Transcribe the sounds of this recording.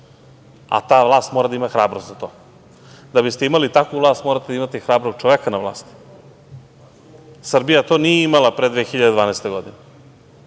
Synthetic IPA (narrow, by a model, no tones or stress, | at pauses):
a̰t̪aːvlˠaːst̪moːɾad̪aimaxɾaːbɾost̪zat̪o̞ː | d̪abist̪eimalit̪akʋuvlˠaːst̪moɾat̪eaimat̪ixɾaːbɾoɡ̥̚t͡ʃoʋekanaʋlˠa̰ːst̪i̥ | sr̩bijat̪o̞ːnijeimalˠapɾed̪vexiʎad̪ed̪vaːnest̪eɡo̞d̪ine